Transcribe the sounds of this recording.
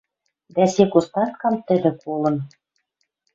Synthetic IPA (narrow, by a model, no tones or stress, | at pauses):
d̪æsekust̪ɑt̪̚kɑmt̪ɘ̆lʲɘ̆kolˠɤ̆n